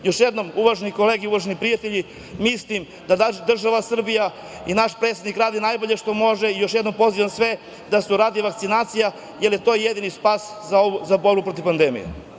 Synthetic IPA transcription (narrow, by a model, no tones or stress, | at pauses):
jo̞ʃjed̪no̞muʋaʒeniko̞le̞ɡeuʋaʒenipɾijat̪eʎi | mislim | d̪ad̪r̩ʒaʋasr̩bija | inaʃpɾet̪sed̪nikɾaːd̪inajbo̞ʎeʃt̪o̞mo̞ʒeijo̞ʃjed̪no̞mpo̞ziʋansʋe̞ | d̪asuɾaːd̪iʋakt̪sinaːt̪sija | jeljet̪o̞ːjed̪inispaːszaozaboɾbupɾo̞t̪ivpand̪emḭjḛ